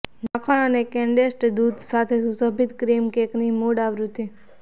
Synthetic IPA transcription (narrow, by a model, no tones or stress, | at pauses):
nãkʰaɽ̃ənekɛ̃ɳɖesʈd̪ud̪sat̪ʰesusəbʱit̪kɾimkeknimuɽaʋɾut̪i